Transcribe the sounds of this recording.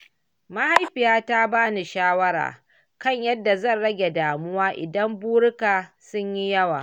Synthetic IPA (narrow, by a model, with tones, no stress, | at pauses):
ma˦ha˦jɸɪ˨jaː˦ta˦baː˦ni˨ʃaː˦wɐ˦ɾa̰ː˨ | kɐ˦˨ɲjɐ˦dːa˨zɐ˦˨nɽɐ˦ɡʲe˨daː˨mʊ˦waː˦ʔɪ̰˨dɐ˦mbuː˦ɽʊ˦kaː˨sʊ˦ɲji˦jɐ˦wa̰ː˨